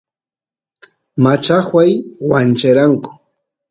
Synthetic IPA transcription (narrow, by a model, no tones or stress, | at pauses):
mat͡ʃaχwajwant͡ʃaɾaŋkʊ̥